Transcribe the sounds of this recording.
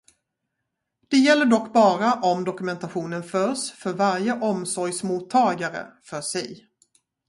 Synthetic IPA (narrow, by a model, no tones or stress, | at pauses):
d̪̥ɛjɛlːəɖɔkːbɑːɾaʔɔmd̪ɔkɵmɛnt̪aɧuːnənfœːʂfœɾvaɾjəʔɔmsɔɾjsmuːt̪ʰːɑːɡaɾə̰fœʂɛj